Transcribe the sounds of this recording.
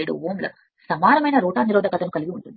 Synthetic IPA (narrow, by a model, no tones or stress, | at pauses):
eɽṵʋoːmlɐ̰ | sɐmaːɾɐmɐjnɐɾuːʈaːniɾɔːd̪ɐkɐt̪ɐmukɐliɡiuɳʈund̪i